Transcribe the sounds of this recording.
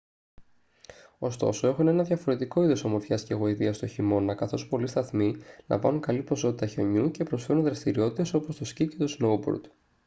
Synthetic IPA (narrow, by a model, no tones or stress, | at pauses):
o̞̰st̪o̞̰so̞e̞xune̞nɐðjʝɐfo̞ɾe̞t̪iko̞iðosomo̞ɾfçɐsceɣo̞iðiɐst̪o̞çimo̞nɐkɐθo̞spo̞list̪ɐθmilɐ̰ɱvɐ̰nuŋkɐlipo̞so̞t̪it̪ɐço̞ɲuce̞pɾo̞sfe̞ɾunðɾɐst̪iɾio̞t̪it̪e̞so̞po̞st̪oscice̞t̪osnoubo̰ɾd̪̥